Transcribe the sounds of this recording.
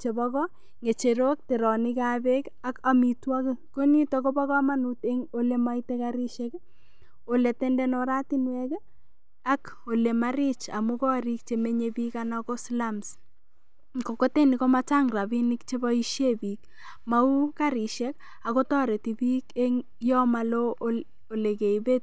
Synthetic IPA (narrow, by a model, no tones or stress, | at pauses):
t͡ʃebɔkɔ | ŋet͡ʃeɾok̚teɾɔnɪkabek | akamitwakkonitokobɔkɔmanuteŋolemaitekaɾiʃek | oletendɛnoɾatinwɛk | akolemaɾit͡ʃa̰mukɔɾik̚t͡ʃemeɲebikanakoslams | kokotenikomat͡ʃaŋrabinɪkt͡ʃebɔiʃjebik̚ | maukaɾiʃɛk̚ | akotɔɾetibiːkeŋ | jɔmalo | olekeibet̚